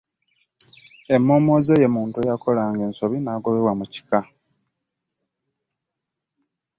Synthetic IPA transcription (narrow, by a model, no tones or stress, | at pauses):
e̞mːo̞ːmo̞ːze̞je̞muːntuejako̞laːŋɡe̞ːnso̞βinaːɡo̞βe̞βwamuci̥ka